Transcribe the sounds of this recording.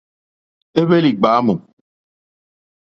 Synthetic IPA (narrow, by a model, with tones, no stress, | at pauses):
e˦βe˦li˨ɡ͡ba˨˦mu˨